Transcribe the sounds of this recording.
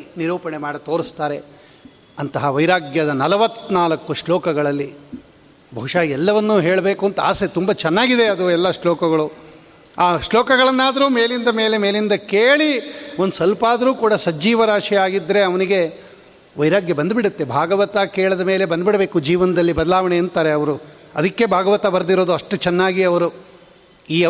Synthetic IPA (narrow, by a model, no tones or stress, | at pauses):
niɾuːpɐɳemaːɽit̪o̞ːɾist̪aːɾe̞ | ɐnt̪ɐɦɐʋɐjɾaːɡjɐd̪ɐnɐlɐʋɐt̪ːnaːlɐkːuʂɭɔːkɐɡɐɭɐlːi | bʱɐ̰ɦuʂaːɛlːɐʋɐnːuːɦeːɭɐbe̞ːkuɐnt̪ɐa̰ːset̪umbɐt͡ʃɛnːaːɡid̪e̞ɐd̪uɛlːɐʂɭɔːkɐɡɐɭu | aːʂlɔːkɐɡɐɭɐnːaːd̪ɐɾuːmeːlind̪ɐme̞ːle̞meːlind̪ɐkeːɭiond̪usɐlpaːd̪ɐɾuːkuːɽɐsɐd͡ʒiːʋɐɾaːʂiaːɡid̪ːɐɾe̞ɐʋɐniɡe̞ | ʋɐjɾaːɡjɐbɐnd̪biɽut̪ːebʱaːɡɐʋɐt̪akeːɭɐd̪ɐme̞ːle̞bɐnd̪biɽɐbe̞ːkud͡ʒiːʋɐnɐd̪ɐlːibɐd̪ɐlaːʋɐɳeɐnt̪aːɾe̞ɐʋɐɾu | ɐd̪ɐkːe̞bʱaːɡɐʋɐt̪ɐbɐɾd̪iɾoːd̪uɐʂʈut͡ʃɛnːaːɡiɐʋɐɾu | iː